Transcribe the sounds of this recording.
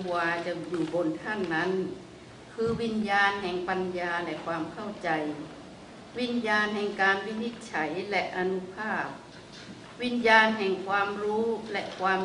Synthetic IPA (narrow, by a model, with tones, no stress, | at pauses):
waː˧t͡ɕa˨˩juː˨˩bo˧nt̪ʰa˥˩nːa˦˥˨n | kʰɯː˧wi˧njaː˧nɦɛ˨˩ŋpa˧njaː˧lɛ˧kʰwaː˧mkʰa˥˩wt͡ɕa˧j | wi˧˥njaː˧nɦɛ˨˩ŋkaː˧nwi˦˧˥ni˧˥t̪̚t͡ɕʰa˩˦jlɛ˧ʔa˧nu˧˥pʰaː˥˩p̚ | wi˧˥njaː˧nɦɛ˨˩ŋkʰwaː˧mɾuː˦˥lɛ˧ʔkʰwaː˧m